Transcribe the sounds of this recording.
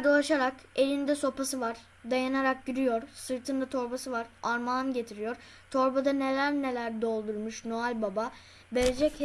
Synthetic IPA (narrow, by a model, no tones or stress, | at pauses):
d̪olˠaʃaɾake̞lʲind̪ɛso̞pasɯvaɾ | d̪ajanaɾak̚ɟyɾyjoɾsɯɾt̪ʰɯnd̪at̪ʰo̞ɾbasɯvaɾaɾmaːnɟe̞t̪ʰiɾijoɾ | t̪ʰo̞ɾbad̪ane̞lʲæɾne̞lʲæɾd̪o̞lˠd̪uɾmuʃno̞alʲbaba | be̞ɾed͡ʒɛch